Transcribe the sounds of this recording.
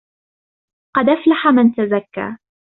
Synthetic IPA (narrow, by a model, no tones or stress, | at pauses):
qɑd̪ʔaflaħamɪnt̪azakːa̰ː